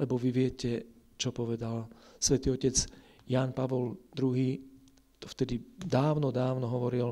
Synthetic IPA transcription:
lɛbɔʋiʋɪɛcɛ | t͡ʃɔpɔʋɛd̪alsʋɛt̪iːɔcɛd͡z | jaːnpaʋɔld̪ɾuɦiː | t̪ɔft̪ɛd̪id̪aːʊnɔd̪aːʊnɔɦɔʋɔɾil

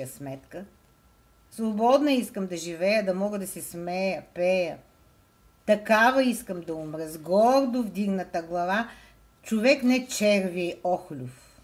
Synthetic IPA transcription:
əsmɛt̪kə | svˠobɔd̪nɐiskəmd̪ɐʒivɛjəd̪ɐmɔɡəd̪ɐsɛsmɛjəpɛjə | t̪ɐkavɐiskəmd̪ɐumɾəzɡɔɾd̪ʊfd̪iɡnət̪əɡlˠɐva | t͡ʃovɛknɛt͡ʃɛɾviɛʔɔxlʲʊf

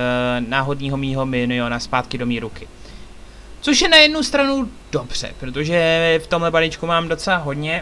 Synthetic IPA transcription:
naːɦo̞dɲiːɦo̞miːɦo̞mɪnɪonaspaːt̪kɪdo̞miːɾukɪ | t͡so̞ʃjɛnajɛdnust̪ɾanu | d̥o̞br̝̥ɛ̰pɾo̞t̪̬oʒɛft̪o̞mɦlɛbalɪt͡ʃkumaːmdo̞t͡sɛlaɦo̞dɲɛ

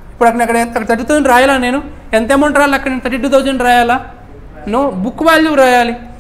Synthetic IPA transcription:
ipːuɽɐkːɐɳɐkːɐɽenɐkɐɽɐt̪ɐʈːut̪oːd͡ʒunɾaːjaːlaːne̞ːnu | ent̪̬eːmoɳʈɾaːjalɐkːɐɳint̪ɐʈːiʈːut̪oːd͡ʒɐnɾaːjaːlaː | nobukːuʋaːlːuɾaːjaːli

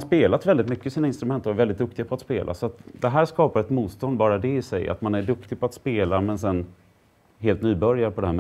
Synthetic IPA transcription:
speːlat̪vɛld̪ɪt̪mʏkːəsiːnaɪnst̪ɾɵmɛnt̪əɾɔɛɾvɛld̪ɪt̪̚d̪ɵkt̪ɪɡapʰɔat̪speːlʔa̰sɔat̪d̪ɛɦæːʂkɑːpaɾɛt̪muːt̪st̪ɔnd̪bɑːɾad̪ɛɪsɛ̰ja̰t̪manæɖɵkt̪ɪɡ̚pʰɔat̪speːlamɛnsɛnː | ɦeːlt̪nyːbœɾjaɾəpʰɔd̪ɛhæːm

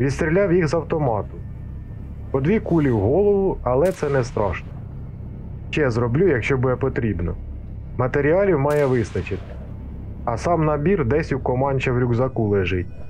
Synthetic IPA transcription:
ʋʲid̪st̪ʲɾʲilʲɑwjixzɐwt̪ɔmɑt̪ʊ | pɔd̪ʋʲikulʲiwɦɔlˠɔʋʊɐlˠɛt̪sɛnɛst̪ɾɑʃnɔ | ʃt͡ʃɛjzɾɔblʲujɐkʃt͡ʃɔbud̪ɛpɔt̪ɾʲibnɔ̰ | mɐt̪eɾʲiɑlʲiwmɑjɛʋɪst̪ɐt͡ʃɪt̪ɪ̥ | ɐsɑmnɐbʲird̪ɛsʲuwkɔmɑnʲt͡ʃɐwɾʲuɡzɐkulˠeʒɪt̚ʲ

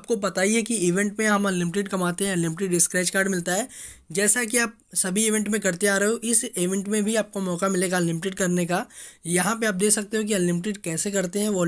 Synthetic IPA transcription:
aːp̚kobɐt̪aːiekiɪʋɛ̃ɳʈmẽɦɐmɐlːɪmɪʈeɖkɐmaːt̪eɦɛ̃lːɪmɪʈeɖɪskɾɛːt͡ʃkaːɾɖmɪlt̪aɦɛː | d͡ʒɛːsak̬iaːp̚sɐbʱiɪʋɛ̃ɳʈmẽkɐɾt̪eaːɾɐɦeoʔɪsɪʋɛ̃ɳʈmẽbʱiaːp̚komɔːkamɪleːɡalɪmɪʈeɖkɐɾnekajɐɦãpeaːp̚d̪eːksɐk̚t̪eɦõk̬iɐlːɪmɪʈeɖkɛːsekɐɾt̪eɦɛ̃ʋo

